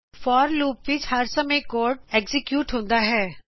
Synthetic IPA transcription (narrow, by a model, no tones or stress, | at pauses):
fɔːɾluːpʋɪt͡ʃhɐɾsɐmekoːɾʈeːkzɪkjuːʈɦõːnd̪aɦɛː